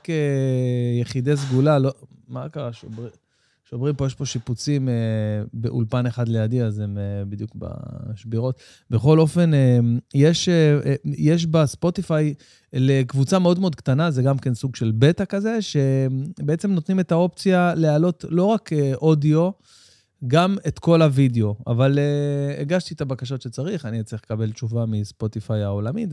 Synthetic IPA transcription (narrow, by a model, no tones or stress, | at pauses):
ke | jeχide̞s̬ɡulalomakaʁaʃobi | ʃomʁimpo̞jeʃpo̞ʃiput͡simebḛʔṵlpaneχad̪lejad̪iazemebid̪jukba̰ʃbiʁo̞t̪ | beχo̞lo̞fe̞nejeʃejeʃ̬baspo̞t̪ifaj | lekvut͡sameo̞d̪meo̞d̪̚ktanaze̞ɡamke̞nsuɡʃe̞lbe̞t̪akaze̞ʃe̞beet͡semnot̪nimet̪ao̞pt͡sialealo̞tlo̞ʁakeʔo̞dio̞ | ɡamet̪ko̞lavideo̞a̰valeeɡaʃt̪it̪abakaʃo̞tʃe̞t͡saʁiχanit͡sʁiχlekabe̞lt͡ʃuvamispo̞t̪ifajao̞lamit